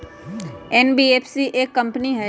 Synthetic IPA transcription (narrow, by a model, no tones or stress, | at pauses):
ɛːnbieːpʰsiʔeːkːɐ̃mpniɦɛː